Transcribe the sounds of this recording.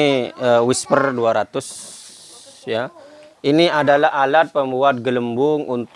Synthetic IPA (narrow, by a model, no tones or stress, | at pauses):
əwispərduaɾat̪ʊs | ja | ʔiniadalaalat̪̚pəmbuat̪̚ɡələmbʊŋʔunt̪